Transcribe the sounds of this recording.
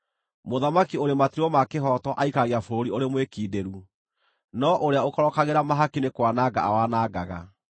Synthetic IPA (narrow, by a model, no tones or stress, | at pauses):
moðamakioɾematiɾwɔmakeɦɔtɔʔaikaɣiafoɾoɾioɾemwekiːdeɾu | nɔʔoɾeaokɔɾɔkaɣeɾamaɦakinekwanaɡa̰a̰wanaɡaɣa̰